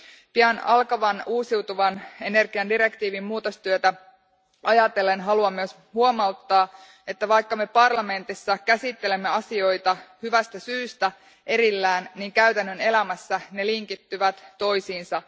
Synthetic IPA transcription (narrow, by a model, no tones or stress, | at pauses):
piænɑlkɑʋɑnuːsiwt̪uʋɑne̞ne̞rɡiɑndiɾe̞kt̪iːʋimmuːt̪ost̪yøt̪æ | ʔɑjɑt̪e̞lːe̞nɦɑluɑmːyøs | huo̞mɑwt̪ːɑː | e̞t̪ːæʋɑjkːɑme̞pɑrlɑme̞nt̪isːɑkæsit̪ːe̞le̞mːe̞ɑsio̞jt̪ɑhyʋæst̪æsyːst̪æ | ʔe̞ɾilːæːnniːŋkæyt̪ænːø̞ne̞læmæsːæne̞liŋkit̪ːyʋæt̪ːo̞jsiːnsɑ